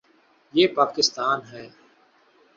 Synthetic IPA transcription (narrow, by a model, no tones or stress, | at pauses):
jeːpaːkɪst̪aːnɦɛː